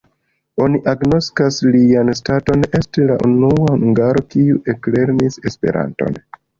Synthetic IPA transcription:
o̞niʔaɡno̞skaslianstato̞ne̞stilaʔunuauŋɡaɾo̞kiuʔekle̞ɾnise̞spe̞̰ɾʔa̰nto̞̰n

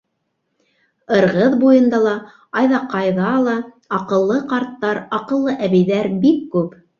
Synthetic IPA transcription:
ɤ̆ɾʁɤðbujɤ̆nd̪ɑlˠɑ | ɑjðɑqɑjðɑlˠɑ | ɑqɤ̆lˠːɤqɑɾt̪ːɑɾɑqɤ̆lˠːɤʔæβɘ̆jðæɾbikːʉp

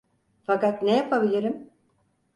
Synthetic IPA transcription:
fakat̪nejapʰabilʲiɾim

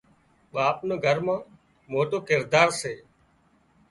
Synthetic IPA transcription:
ɓaːpnəːɡʱəɾmãː | moːʈoːkɪɾd̪aːɾseː

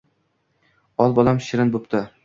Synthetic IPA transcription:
ɒlˠbɒlˠamʃɪɾɪnbopt̪ʰɪ

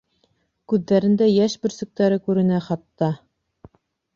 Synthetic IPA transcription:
kʉðːæɾɘ̆nd̪æjæʃbɘ̆ɾsɵ̆k̚t̪æɾɘkʉɾɘ̆næχɑt̪ːɑ

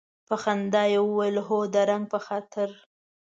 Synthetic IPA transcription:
paxand̪ɑjewəwajəlɦod̪əɾaŋɡ̚pəxɑt̪ʰɪɾ

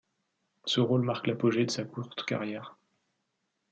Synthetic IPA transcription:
səʁolmaʁklapɔʒed̪əsakʰuʁt̪ka̰ʁjɛːʁ

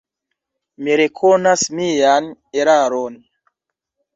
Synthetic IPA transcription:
miɾekʰonasmijaneɾaɾon

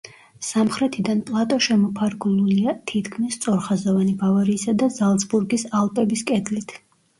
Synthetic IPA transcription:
samχɾɛt̪ʰid̪anpʼlˠat̪ʼɔʃɛmɔpʰaɾɡulˠuliat̪ʰit̪kʰmist̪sʼɔɾχazɔvanibavaɾiːsad̪azalˠt̪sbuɾɡisalˠpʼɛbiskʼɛd̪lit̪ʰ

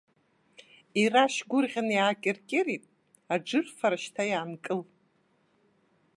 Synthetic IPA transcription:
iraʃɡʷʊrʁʲanjaːkʲʼɪrkʲʼɪɾitʼ | aʈ͡ʂɨrfaɾaʃtʰajaːmkʼɨl

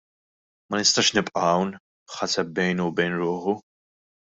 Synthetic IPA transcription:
mɐnɪst̪ɐːʃnɪpʼʔɐwn | ħɐsɛb̚bɛjnubɛjnɾʊːħu

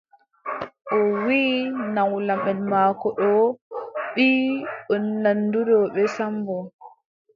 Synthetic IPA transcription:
ʔɔwinawlamɛnmaːkɔɗɔ | ɓiɔnːandudɔɓɛsambɔ

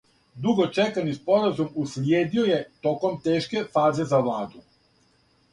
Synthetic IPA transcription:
d̪uɡo̞t͡ʃekanispo̞ɾazumusljeːd̪ioje̞t̪o̞ko̞mt̪e̞ːʃke̞faːze̞zaʋlaːd̪u

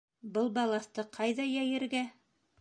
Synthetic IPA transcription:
bɤlˠbɑlˠɑst̪ɤqʰɑjðɑjæjɘ̆ɾɡæ

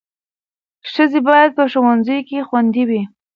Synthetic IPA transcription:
ʃəzebɑjad̪̚pəʃuwanzəjkexwand̪iwi

